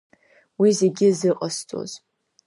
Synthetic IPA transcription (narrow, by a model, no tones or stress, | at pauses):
wizeɡʲɪzɨqʼast͡sʼo̰z̥